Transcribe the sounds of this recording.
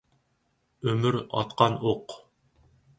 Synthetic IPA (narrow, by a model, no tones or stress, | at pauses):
ɵmɘɾɑ̰t̪qɑnoq